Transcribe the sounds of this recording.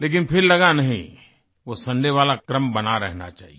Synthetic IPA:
leːk̬ɪnpʰɪɾlɐɡanɐɦḭ̃ | ʋosɐ̃ɳɖeʋaːlakɾəmbɐnaɾɛɦna̰t͡ʃa̰ːɦḭ

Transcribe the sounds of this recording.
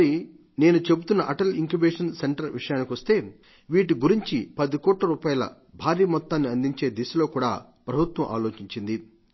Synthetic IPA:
ɐɾi | ne̞ːnut͡ʃe̞but̪unːɐʔɐʈɐliŋkubeːʂɐnseɳʈɐɾʋiʂɐjaːnikiʋɐst̪e̞ː | ʋiːʈ̬iɡuɾiɲt͡ʃipɐd̪ikɔːʈlɐɾuːpaːjɐlɐ̰ | bʱaːɾiːmɔt̪ːaːnːiɐnd̪iɲt͡ʃe̞ːd̪isɐlo̞ːkuːɽa̰ː | pɾɐbʱut̪wɐmʔa̰ːlo̞ːt͡ʃiɲt͡ʃind̪i

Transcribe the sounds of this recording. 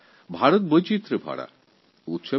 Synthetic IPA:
bʱaɾut̪̚bəjt͡ɕit̪ɾəbʱa̰ɽa̰ | ut̪ɕʰə

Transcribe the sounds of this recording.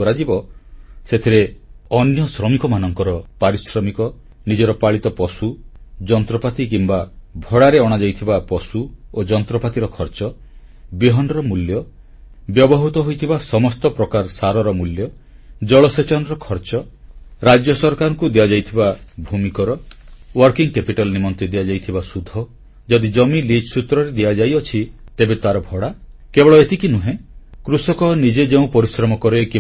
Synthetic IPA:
ɔɾad͡ʒibɔset̪ʰiɾeɔnjɔsɾɔmikɔmanɔŋkɔɾɔpaɾisɾɔmikɔ | nid͡ʒɔɾɔpaɭit̪ɔpɔsud͡ʒɔnt̪ɾɔpat̪ik̬imbabʱɔɽaɾeɔɽ̃ad͡ʒajt̪ʰibapɔsuod͡ʒɔnt̪ɾɔpat̪iɾɔkʰɔɾt͡ʃɔ | beɦɔnɾɔmuljɔ | bjɔbɔɦut̪ɔɦojt̪ʰibasɔmɔst̪ɔpɾɔkaɾsaɾɔɾɔmuljɔ | d͡ʒɔɭɔset͡ʃɔnɔɾɔkʰɔɾt͡ʃɔɾad͡ʒjɔsɔɾkaɾɔŋkud̪ead͡ʒajt̪ʰibabʱumikɔɾɔwɔɾkiŋkepiʈalnimɔnt̪id̪iad͡ʒajt̪ʰibasud̪ʱɔ | d͡ʒɔd̪id͡ʒɔmilid͡ʒsut̪ɾɔɾed̪ead͡ʒajɔt͡ʃʰit̪ebet̪aɾɔbʱɔɽakebɔɭɔet̪ikinuɦẽkɾusɔkɔnid͡ʒed͡ʒeũpɔɾisɾɔmɔkɔɾeki

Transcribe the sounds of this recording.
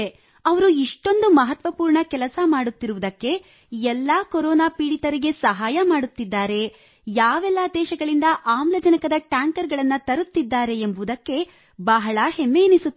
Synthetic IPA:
ɐʋɐɾuiʂʈo̞nd̪umɐɦɐt̪ʋɐpuːɾɳɐkɛlɐsɐmaːɽut̪ːiɾuʋud̪ɐkːe̞ | ɛlːaːkoɾɔːnaːpiːɽit̪ɐɾiɡe̞sɐɦaːjɐmaːɽut̪ːid̪ːaːɾe̞ | jaːʋɛlːad̪ɛːʃɐɡɐɭind̪ɐʔaːmlɐd͡ʒɐnɐkɐd̪ɐʈaːŋkɐɾɡɐɭɐnːɐt̪ɐɾut̪ːid̪ːaːɾe̞ːmbuud̪ɐkːe̞ | bɐɦɐɭɐhemːeːnisuː

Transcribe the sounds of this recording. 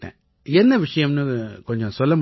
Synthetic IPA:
ʈːḛ̃ː | enːɐʋɪʂɐjɐmnɨkoɲd͡ʑõmsɔlːɐm

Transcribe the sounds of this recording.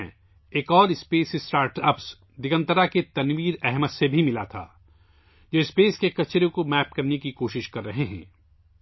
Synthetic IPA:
eːkɔːɾɪspeːsɪsʈaːɾʈɐps | d̪ɪɡə̃nt̪əɾaket̪ɐnʋiːɾɛɦmət̪sebʱimɪlat̪ʰa̰ː | d͡ʒoːɪspeːskekɐt͡ʃɾõkomɛːp̚kɐɾnekikoːʃɪʃkɐɾːɐɦeɦɛ̰̃ː

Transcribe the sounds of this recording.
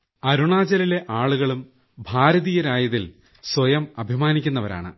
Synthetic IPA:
ɐɾuɳaːd͡ʑɐlile̞ʔaːɭuɣɐɭum | bʱaːɾɐðijɐɾaːjɐðil | swɐjɐmɐbʱimaːnikʲːunːɐʋɐɾa̰ːɳɨ̰

